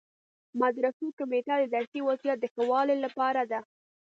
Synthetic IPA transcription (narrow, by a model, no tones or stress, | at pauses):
mad̪ɾasokʊmeʈad̪əd̪aɾsewazijat̪̚d̪əxawɑlelapɑɾad̪a